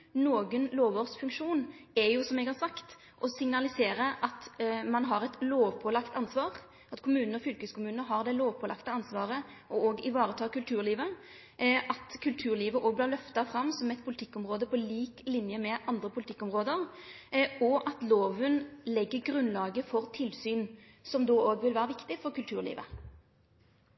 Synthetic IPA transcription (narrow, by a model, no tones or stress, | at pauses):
noːɡənloːʋoːʁsfʉŋkʂuːnɛjʊsɔmɛɡhɑɾsɑkt̪ | ʔɔsɪŋnɑlɪseːɾəʔɑt̪mɑnɦɑʁɛt̪loːʋpʰɔlɑkt̪ɑnsʋɑːʁ | ʔɑt̪kʰʊmʉːnənəɔfʏlkəskʰʊmʉːnəɦɑʁd̪ɛloːʋpʰɔlɑ̰kt̪əɑnsʋɑːʁə | ɔɔːɡɪʋɑːɾət̪ʰɑːkʉlt̪ʰʉːɾliːʋə | ʔɑt̪kʰʉlt̪ʰʉːʁliːʋəʔoːɡ̚blɪʁlœft̪ɑfʁɑmsɔmɛt̪pʰʊlɪt̪ʰɪkːɔmʁoːd̪əpʰɔliːklɪnjəmɛʔɑnd̪ʁəpʰʊlɪt̪ʰɪkːɔmʁoːd̪əʁ | ɔʔɑt̪loːʋənlɛɡːəɾɡɾʉnlɑːɡəfɔʁt̪ʰɪlsyːn | sɔmd̪oːoːɡʋɪlʋæːɾəʋɪkt̪ɪfɔʁkʉlt̪ʰʉːʁlḭːʋə̰